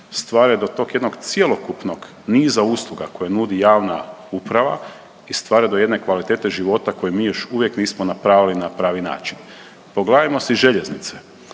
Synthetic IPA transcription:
st̪ʋaːɾed̪o̞t̪o̞ːkje̞d̪no̞ɡt̪sjelo̞kupno̞ɡ | niːzauːslˠuɡako̞janud̪ijaːʋna̰upɾaʋa̰ | ist̪ʋaːɾed̪o̞je̞d̪ne̞kʋalit̪eːt̪e̞ʒiʋo̞t̪ako̞jemiːjo̞ʃuʋjekniːsmonapɾaːʋilinapɾaːʋina̰ːt͡ʃin | po̞ɡleemo̞seʒe̞ʎeznit̪se

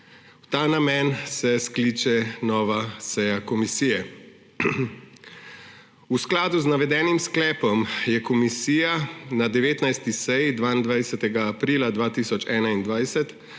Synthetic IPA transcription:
wt̪aːnamɛnsɛskliːt͡ʃɛnɔːʋasɛjakɔmisiːjɛ | usklaːd̪uznaʋɛd̪ɛːnimsklɛːpɔmjɛkɔmisiːjanad̪ɛʋeːt̪najst̪isɛjd̪ʋaːind̪ʋajsɛt̪ɛɡaːpɾiːlad̪ʋaːt̪iːsɔt͡ʃɛːnaind̪ʋajsɛt̪

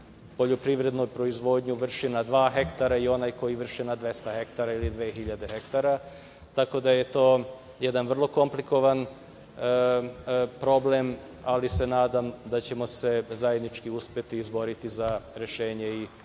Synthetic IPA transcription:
po̞ʎo̞pɾiʋɾe̞d̪nojpɾo̞izʋo̞ːd̪ɲuʋr̩ʃinad̪ʋaːxe̞kt̪aɾaio̞najko̞jiʋr̩ʃinad̪ʋe̞st̪axe̞kt̪aɾailid̪ʋeːxiʎad̪exekt̪aɾa | t̪ako̞d̪ajet̪o̞ː | jed̪anʋr̩lˠo̞ko̞mpliko̞ʋan | pɾo̞ble̞m | alise̞naːd̪amd̪at͡ɕemo̞se̞zajed̪nit͡ʃkiuspje̞t̪iːzbo̞ɾit̪izaɾe̞ʃe̞ːɲe̞i

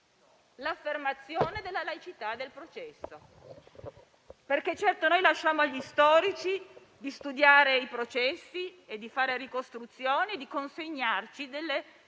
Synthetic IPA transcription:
lafːermat̪sːjoːned̪elːalajt͡ʃit̪ad̪ːelpɾot͡ʃɛsːo | perk̟et͡ʃːɛrt̪onojlaʃːaːmoaʎːist̪ɔːɾit͡ʃi | d̪ist̪ud̪jaːɾeipɾot͡ʃɛsːied̪ːifaːɾerikost̪ɾut̪sːjoːned̪ikonseɲːart͡ʃid̪elːe

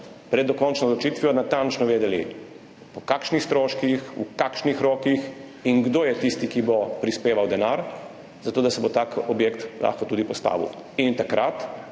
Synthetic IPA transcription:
pɾɛd̪ːɔkɔnt͡ʃnɔzlɔt͡ʃit̪ʋijɔnat̪ant͡ʃnɔʋeːd̪ɛlḭ | pɔkaːkʃnixst̪ɾoːʃkixṵkakʃnixɾɔːkix | inɡd̪oːjɛt̪ist̪ikibɔpɾispeːʋawd̪ɛnaɾ | zat̪oːd̪asɛbot̪aːkɔbjeːkt̪lʔa̰ːxkɔt̪uːd̪ipɔst̪a̰ːʋḭw | int̪akɾat̪

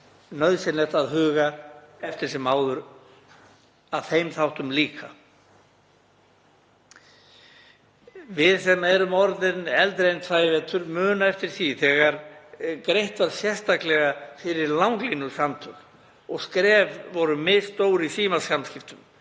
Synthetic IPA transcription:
nœɥðsɛnɛht̪aðɦʏːɣaɛft̪ɪɾ̥sɛmaːwðʏɾ | aðθejmθawht̪ʏmliːkʰa | vɪðsɛmɛɾʏmɔɾðɪnɛlt̪ɾejnt̪faːjvɛt̪ʰʏɾmœːnaɛft̪ɪɾ̥θiθɛɣaɾkɾejht̪vaɾ̥sjɛr̥st̪aklɛɣafɪɾɪɾlawŋklinʏsamt̪ʰʏɣ | ɔɣskɾɛːvvɔɾʏmɪðst̪oːwɾisiːmasamskcɪft̪ʏm

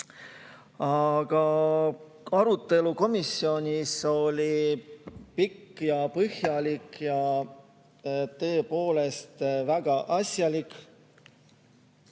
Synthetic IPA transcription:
ɑɡ̥ɑ | ɑɾut̪ːˑe̞luko̞misːio̞nʲiso̞lʲi | pikːjɑpɤhjɑlikjɑ | t̪ɤ̞ːpo̞ːle̞st̪væɡ̥ɑʔɑsʲjɑlik

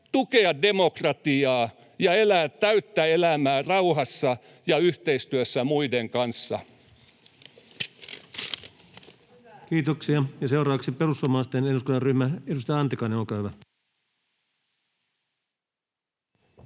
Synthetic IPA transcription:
t̪ukeɑde̞mokrɑt̪iɑː | jɑelæːt̪tæyt̪ːæelæmæːrɑuhɑsːɑ | jɑyht̪eist̪yøsːæmuideŋkɑnsːɑ̰ | kiːt̪oksiɑjɑsewɾɑːɑksiperusɑmɑːst̪eneduskunɑryhmæedust̪ɑjɑɑnt̪ikɑneolkɑːhyʋæ

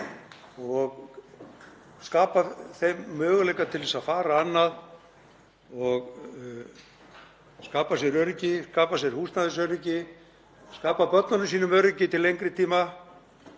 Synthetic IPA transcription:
ɔɣ | skaːpaθejmːœːɣʏlejkat̪ʰɪlvɛsafaːɾaanːað | ɔɣ | skaːpasjɛɾœɥɾɪcɪskaːpasjɛɾ̥huːst̪naðʏs̬œɥɾɪcɪ | skaːpapœt̪nanʏmsiːnʏmœːɥɾɪcɪt̪ʰɪlːejŋkɾɪt̪ʰiːma

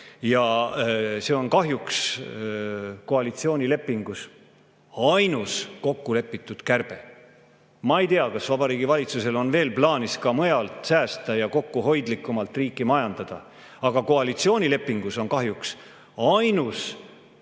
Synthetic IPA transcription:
jɑ | se̞o̞nkɑɦjuks | ko̞ɑlit̪sio̞ːnʲile̞pːiŋɡ̥us | ɑjnusko̞kːule̞pːit̪ˑːud̪̥kærb̥e̞ | mɑejt̪eɑkɑsvɑb̥ɑɾiːɡivɑlʲit̪suse̞lo̞nve̞ːlplɑːniskɑmɤjɑlt̪sæːst̪ɑjɑko̞kːuɦo̞jd̪likˑːumɑlt̪riːkˑːimɑjɑnd̪̥ɑd̪̥ɑ̰ | ɑɡ̥ɑko̞ɑlit̪sio̞ːnʲile̞pːiŋɡ̥uso̞nkɑɦjuks | ɑjnus

